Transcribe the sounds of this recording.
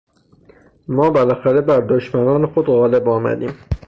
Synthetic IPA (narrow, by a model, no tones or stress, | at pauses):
mɒːbelæxæɾebæɾd̪oʃmænɒːnexod̪ɣɒːle̞bɒːmæ̰d̪ḭːm